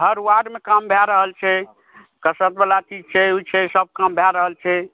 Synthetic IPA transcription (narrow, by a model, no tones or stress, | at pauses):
ɦəɾwaɖmekambʱɛɾəɦəlt͡ʃʰɛ | kəsət̪̚belat͡ʃid͡ʒt͡ʃʰɛut͡ʃʰɛsəb̚kambʱɛɾəɦəlt͡ʃʰɛ